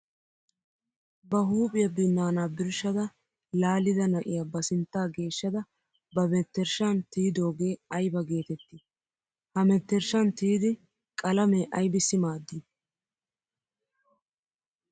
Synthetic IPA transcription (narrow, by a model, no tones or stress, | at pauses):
bɐɦuːpʼɪjɐbɪnːaːnaːbɪɾʃɐd̪ɐ | laːlɪd̪ɐnɐʔɪ̰jɐbɐsɪnt̪ːaːɡe̞ːʃːɐd̪ɐ | bɐmɛt̪ːɛɾʃɐnt̪iːd̪o̞ːɡe̞ːɐjbɐɡe̞ːt̪ɛt̪ːɪ | hɐmɛt̪ːɛɾʃɐnt̪iːd̪ɪ | kʼɐlɐmeːʔɐjbɪsɪmaːd̪ːi